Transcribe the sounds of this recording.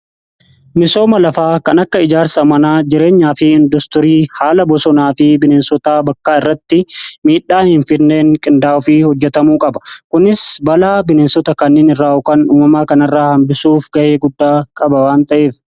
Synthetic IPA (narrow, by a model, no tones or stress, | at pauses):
mɪso̞ːmɐlɐfaːkɐnɐkːɐɪd͡ʒaːɾsɐmɐnaːd͡ʒɪɾe̞ːɲːaːfɪɪnd̪ɔst̪ɔɾiːhaːlɐbɔsɔnaːfɪbɪneːnsɔt̪aːbɐkːaːɪrːɐt̪ːɪmiːᶑːaːhɪnfɪɾne̞ːŋkʼɪnd̪aːʊfiːhɔd͡ʒːɛt̪ɐmuːkʼɐbɐ̥kʊnɪsbɐlaːbɪneːnsɔt̪ɐkɐnːeːnɪrːaːʊkaːnuːmɐmaːkɐnɐrːaːhɐmbɪsuːfɡɐʔeːɡʊd̪ːaːkʼɐbɐwaːnt̪ɐʔeːf